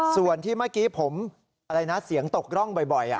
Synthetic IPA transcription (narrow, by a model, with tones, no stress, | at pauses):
su˨˩ənt̪ʰiː˥˩maː˥˩kiː˦˥pʰo˩˦m | a˧ɾa˧jna˦˥si˩˦əŋt̪o˨˩k̚ɾɔ˥˩ŋbɔ˨˩jbɔ˨˩jʔa̰˨˩